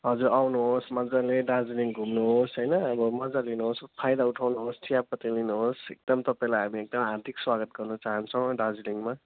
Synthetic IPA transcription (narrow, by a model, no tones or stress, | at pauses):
ɦʌd͡zuɾawnuɦosmʌd͡zaleɖad͡ziliŋɡʱumnuɦosɦʌjnʌːbʌmʌd͡zalinuɦospʰajd̪auʈʰawnuɦosʈʰijab̚kʌt̪ilinuɦosḛk̚d̪ʌmt̪ʌpaj̃lajɦamiek̚d̪ʌmaɦaɾt̪ikswaɡʌt̪̚ɡʌrnʌt͡saɦʌnt͡sʰʌ̃w̃ɖad͡ziliŋma